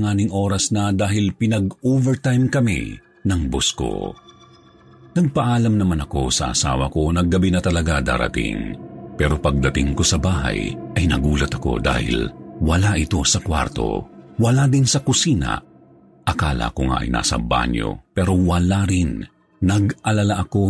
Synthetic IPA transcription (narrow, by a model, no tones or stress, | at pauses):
ŋaːnɪŋʔoːɾɐsnɐd̪aːɦɪlpɪnɐɡoːvɛɹt̪ajmkɐmḭ | nɐŋbosko̰ | nɐɡ̚pɐʔaːlɐmnɐmanɐko̞sɐʔɐ̰sa̰ːwɐ̰ko̞nɐɡɐbinɐt̪ɐlɐɡad̪a̰ːɾɐ̰t̪ɪ̰ŋpɛːɾo̞pɐɡ̚d̪ɐt̪ɪŋko̞sɐbaːɦɐ̰jʔɐjnɐɡuːlɐt̪ɐ̥ko̞̰d̪a̰ːhɪ̰lwɐlaʔɪt̪o̞sɐkwa̰ɾt̪o̞̰wɐlad̪ɪnsɐkʊsiːnɐ̰ | ʔɐkaːlɐ̰ʔɐkoŋa̰ʔɐ̰jna̰ːsɐ̰ba̰ɲjo̞̰pɛːɾo̞wɐlaɾɪnː | ɐɡʔɐlɐlaʔɐko̞